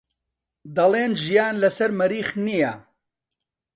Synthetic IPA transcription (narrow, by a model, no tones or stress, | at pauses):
d̪ɐlˠeːnʒijaːnlɐsɐɾmɐɾiːχnijɐ